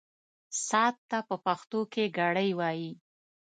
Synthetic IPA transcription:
sɑt̪ːapəpaxt̪okeɡaɽəjwɑji

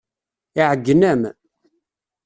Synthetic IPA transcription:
iʕəɡːənæm

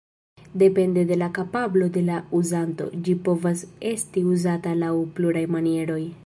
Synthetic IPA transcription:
de̞pe̞nde̞de̞lakapablo̞de̞lauzanto̞̰d͡ʒipo̞vase̞stiuzatalawpluɾajmanie̞ɾo̞j

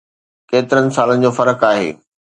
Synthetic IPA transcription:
keːt̪ɪɾənɪ̆saːlənɪ̆d͡ʑoːfɐɾəkaːɦḛː

